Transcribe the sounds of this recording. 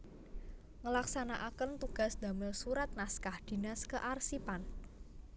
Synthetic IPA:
ŋəlaksanaʔakənt̪uɡ̥a̤sd̪̥a̤mɪlsuɾat̪̚naskahd̪̥i̤naskəʔarsipan

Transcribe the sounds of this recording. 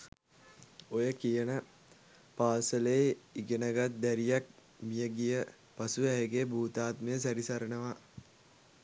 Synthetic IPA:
ojəkijənə | paːsələeiɡenəɡat̪̚d̪æɾijak̚ | mijəɡijə | pasuæɦeɡebʱuːt̪aːt̪məjəs̬æɾisaɾənəʋa

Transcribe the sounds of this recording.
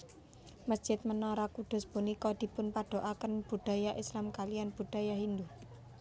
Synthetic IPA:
məsd̥ʒ̥ɪt̪̚mənɔɾakuɖ̪̥ʊ̤sbunikɔd̪̥i̤pʊnpaɖ̥o̤ʔakənb̥uɖ̥a̤jaʔislamkalijanb̥ṳɖ̥a̤jaɦind̪u

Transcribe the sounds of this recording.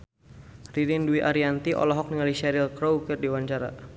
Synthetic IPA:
ridinduiʔaɾiant̪iʔɔ̰lɔɦɔk̚niŋaliʃɛɾɪlkɾowkɪrdiwaɲt͡ʃaɾa

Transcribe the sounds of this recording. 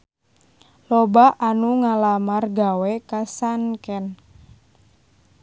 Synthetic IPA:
lɔbaʔanuŋalamarɡawɛkasankɛn

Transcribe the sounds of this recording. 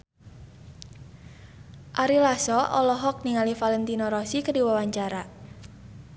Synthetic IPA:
ʔaɾilasɔʔɔlɔɦɔk̚niŋalifalɛnt̪inɔɾɔsikədiwawaɲt͡ʃaɾa

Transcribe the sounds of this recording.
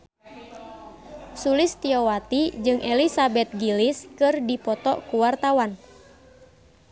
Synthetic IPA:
sulist̪iɔwat̪id͡ʒɨŋʔɛlisabɛt̪̚ɡiliskɨrdipɔt̪ɔʔkuwart̪awan

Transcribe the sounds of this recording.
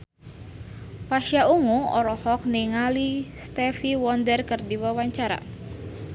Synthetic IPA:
paʃjauŋuɔ̰ɾɔhɔk̚niŋalist̪ɛfiwɔndərkɨrdiwawaɲt͡ʃaɾa̰

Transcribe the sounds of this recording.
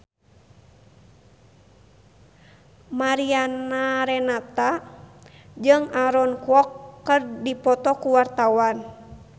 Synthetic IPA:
maɾianaɾɛnat̪a | d͡ʒɨŋaɾɔnkuɔkːərdipɔt̪ɔkuwart̪awan

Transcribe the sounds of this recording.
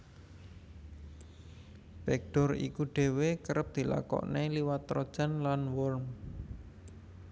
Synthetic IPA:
b̥ɛk̚ɖ̥ɔ̤ɾḭkuɖ̥e̤wekəɾəp̚d̪̥i̤la̰kɔ̰ʔneliwat̪ɾɔd̥ʒ̥a̤nlanwɔlm

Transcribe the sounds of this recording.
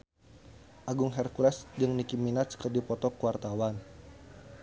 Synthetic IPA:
ʔaɡuŋɦɛrkuɾasd͡ʒɨŋnikiminat̪̚sə̥kərdipɔt̪ɔkuwart̪awan

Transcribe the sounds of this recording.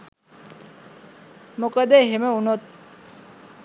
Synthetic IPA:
mokəd̪eɦeməunot̪̚

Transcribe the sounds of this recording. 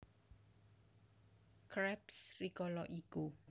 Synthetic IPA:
kɾɛpsrikɔlɔʔiku

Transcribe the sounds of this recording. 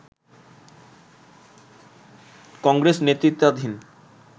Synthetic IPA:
kɔŋɡɾesnet̪ːɾit̪ːad̪ʱin

